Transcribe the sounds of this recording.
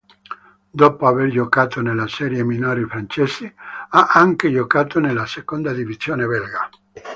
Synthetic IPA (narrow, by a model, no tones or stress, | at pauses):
d̪ɔːpoaverd͡ʒokaːt̪onelːasɛːɾjeminoːɾifɾant͡ʃɛsiaʔaŋked͡ʒokaːt̪onelːasekond̪ad̪ivizjoːneβɛlɡa